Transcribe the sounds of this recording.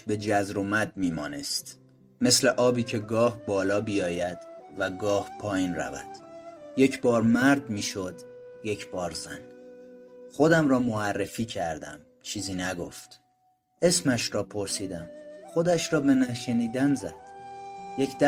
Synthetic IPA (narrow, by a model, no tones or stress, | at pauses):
be̞d͡ʒæzɾomæd̪̚miːmɒ̰ːnḛst̪ | me̞sleʔɒːbiːcʰe̞ɡɒːhbɒːlɒːbijɒːjæd̪̥væɡɒːhpʰɒːjiːnræ̰væ̰d̪̥je̞cʰbɒːɾmæɾd̪miːʃod̪ | je̞cʰb̥ɒːɾzæ̰n | xo̞d̪æmrɒːmoærːefiːcʰæɾd̪æ̰m | t͡ʃʰiːziːnæɡo̰ft̪ | ʔe̞smæʃɾɒːpʰoɾsiːd̪æmχo̞d̪æʃɾɒːbe̞næʃeniːd̪ænzæd̪̥jekʰd̪̥